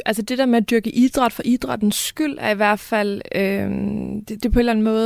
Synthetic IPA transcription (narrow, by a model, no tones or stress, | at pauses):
ælsəd̥e̝d̥æɐmeæd̥yɐɡ̥əʔid̥ʁɑ̈d̥fɒ̽ʔid̥ʁɑ̈d̥n̩sɡ̥yl̰æɐiʋæɐ̰d̥fæl̰ø | d̥ed̥e̝pʰɒe̝dlæn̩mɔ̽ːð